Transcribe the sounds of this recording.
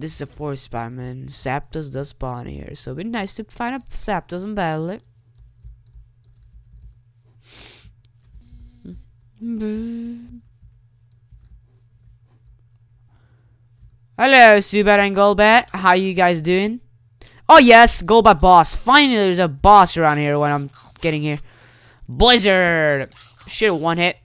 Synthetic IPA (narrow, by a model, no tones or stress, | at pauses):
ðɪsɨzɨfɔɹspa̰ɪmɨ̃nsæp̚d̥ʌzdʌsb̥ɑ̰̃nɪ̰ɹsoʊbɨ̃naɪstʰɨfãɪ̃ndəsæp̚d̥ʌzə̃n̩bæɾl̩ˠɪt̚ | b | həlosʉbɛɾɨ̃nɡoʊlˠbæʔɦaʊə˞jɨɡaɪzdʉɪ̃ŋ | oʊjɛsɡoʊlˠbaɪbɔsfãɪ̃nl̩ˠiðə˞zəbɔsə˞ãʊ̃nd̚hiɹwə̃ñãɪ̃m | ɡ̥ɛɾɪ̃ŋhiɹ | blɪzə˞ | ʃɪɾ̩wʌ̃nɪt̚